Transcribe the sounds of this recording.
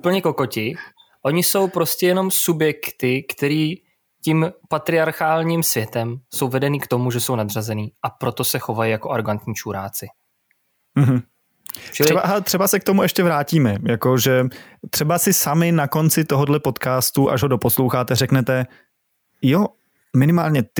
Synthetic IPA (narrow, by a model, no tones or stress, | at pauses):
ʔupl̩ɲɛko̞ko̞cɪ | ʔo̞ɲɪso̞wpɾo̞scɛjɛno̞msubjɛkt̪ɪkt̪ɛɾiː | cimpat̪ɾɪaɾxaːlɲimsvjɛt̪ɛmso̞wvɛdɛniːkt̪o̞muʒɛso̞wnad̪razɛniːʔapɾo̞t̪o̞sɛxo̞vajijako̞ʔaɾoɡant̪ɲiːt͡ʃuːɾa̰ːt͡sɪ | m̩ɦm̩ | t͡ʃɾɛbaɦat̪r̝̥ɛbasɛk̚t̪o̞muɛʃcɛvɾaːciːmɛjako̞ʒɛ | t̪r̥ɛbasɪsamɪnako̞nt͡sɪt̪oɦodlɛpo̞t̪kaːst̪uʔaʒɦodo̞po̞slowxaːt̪ɛrɛknɛt̪ɛ | jo | mɪnɪmaːlɲɛt̪